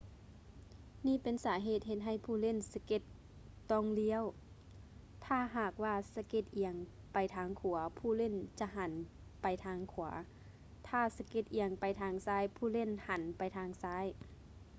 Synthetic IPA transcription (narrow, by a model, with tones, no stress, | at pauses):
niː˧˥˨pe˧˨nsaː˩˦ɦeː˧˨˩t̪̚ɦe˧t̪̚ɦa˧˩jpʰuː˧˩˨le˧˥˨nsa˧ke˧˩t̪ː | ɔː˧˩ŋli˧˥ə˨w | t̪ʰaː˧˩˨ɦaː˨˩k̚waː˧˩sa˧ke˧˩t̪̚ʔi˧əŋ | pa˧jt̪ʰaː˧˥ŋkʰu˨˩˦ɐpʰuː˧˩le˧˥˨nt͡ɕa˧ɦa˨˦n | pa˨˧jt̪ʰaː˧˥ŋkʰṵ˨˩˦ | t̪ʰaː˧˩sa˧ke˧˩t̪̚ʔi˧əŋpa˨jt̪ʰaː˧ŋsaː˧˥˩jpʰuː˧˩˨le˧˥˨nha˨˦npa˨jt̪ʰaː˧ŋsaː˧˥˨j